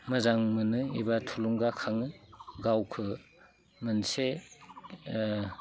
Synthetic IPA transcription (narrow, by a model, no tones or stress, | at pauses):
mɯzaŋmɯnɯibatʰuluŋɡakʰaŋɯɡawkʰɯ | mɯnse